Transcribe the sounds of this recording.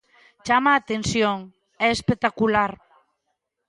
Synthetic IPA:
t͡ʃamaːt̪ensjoŋ | ɛespek̚t̪akulaɾ

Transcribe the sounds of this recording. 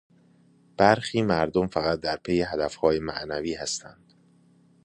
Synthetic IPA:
b̥æɾxiːmæɾd̪omfæɣæt̪̚d̪æɾpʰejeɦæd̪æfhɒːjemæ̰ʔnæviːhæst̪ʰænd̪̥

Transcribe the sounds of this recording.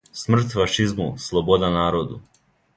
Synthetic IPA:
smr̩t̪faʃizmuslˠobod̪anaːɾod̪u

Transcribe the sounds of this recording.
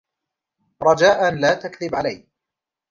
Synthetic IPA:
ɾˤɑd͡ʒaːʔanlaːt̪akðɪbʕalaj

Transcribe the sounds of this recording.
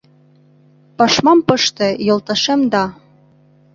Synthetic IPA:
pɑʃmɑmpɤ̆ʃt̪ɤ̆jŏlˠt̪ɑʃemd̪ɑ

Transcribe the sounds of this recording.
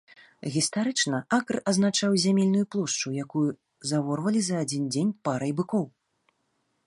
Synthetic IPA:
ɣʲist̪aɾɨt͡ʂnɐakrɐznat͡ʂawzʲamʲelʲnujuplˠɔʂt͡ʂujakuju | zavɔrvɐlʲizɐːd͡zʲind͡zʲenʲpaɾɐjbɨkɔw

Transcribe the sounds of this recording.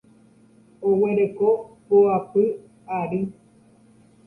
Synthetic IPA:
oweɾekopoapɨ | aɾi

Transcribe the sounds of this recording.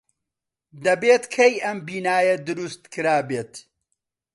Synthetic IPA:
d̪ɐbeːt̪kʰejɐmbiːnaːjɐd̪ɨɾust̪kʰɨɾaːbeːt̪

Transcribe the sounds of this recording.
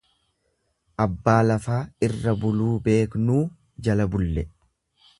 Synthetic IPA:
ʔɐbːaːlɐfaːɪrːɐbʊluːbe̞ːknuː | d͡ʒɐlɐbʊlːɛ

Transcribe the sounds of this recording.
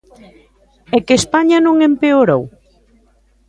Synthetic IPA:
ekespaɲanõŋempeoɾow

